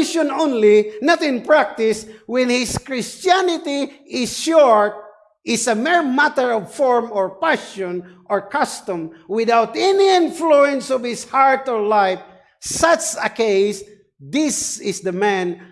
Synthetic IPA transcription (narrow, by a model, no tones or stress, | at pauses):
ʃɔ̃nõnlinat̪ɪ̃npɹak̚t̪ɪswɛ̃nhɪskɹɪstanɪt̪iɪsʃɔɹt̪̚ | ɪsəmɛɹmat̪əɹɔvfɔɹmɔɹpaʃɔ̃nʔɔɹkast̪ʊ̃mwɪd̪awt̪ɛniɪ̃nfluɛ̃nsɔv̥hɪshaɹt̪ɔɹlaɪf | sat͡ʃəkeɪs | d̪ɪsɪsd̪əmæ̃n